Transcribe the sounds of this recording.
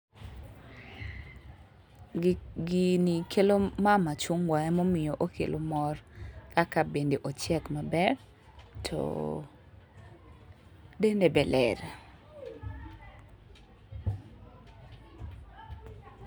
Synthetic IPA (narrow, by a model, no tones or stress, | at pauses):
ɡinikʰelomamat͡ʃuŋwaɛmɔmɪjoʔokʰḛlʔomɔrkakabendeʔot͡ʃɛkmabɛr | tʰɔ̰ | dendebɛlɛ̰ɾ